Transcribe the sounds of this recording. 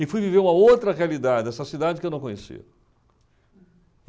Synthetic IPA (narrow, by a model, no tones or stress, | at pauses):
ɪfujviveɾũmɐowt̪ɾɐʁealid̪ad͡ʒɪd̪ɛsɐsid̪ad͡ʒɪkewnɐ̃w̃kõɲ̃esḭ